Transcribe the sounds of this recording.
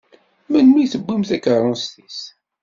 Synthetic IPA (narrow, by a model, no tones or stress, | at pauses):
mænmijθəbːimθækːərˤːɑnst̪is